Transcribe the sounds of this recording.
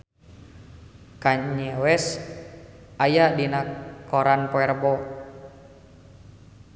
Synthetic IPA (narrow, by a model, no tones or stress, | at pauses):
kaɲɲɛwɛs | ʔajadinakɔɾanpɔɛrbɔ